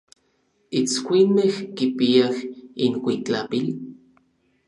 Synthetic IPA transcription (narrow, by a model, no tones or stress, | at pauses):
it͡skʷinmehkipiahinkʷit͡ɬapil